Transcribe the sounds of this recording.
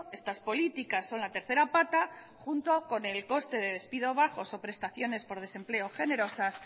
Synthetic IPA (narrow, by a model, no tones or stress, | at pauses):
e̞st̪aspo̞lit̪ikasːo̞nlat̪e̞ɾθe̞ɾapat̪a | χunt̪o̞ko̞ne̞lko̞st̪e̞ðe̞ðe̞spiðo̞β̞aχo̞so̞pɾe̞st̪aθjo̞ne̞spo̞ɾð̞e̞se̞mple̞o̞χe̞ne̞ɾo̞sas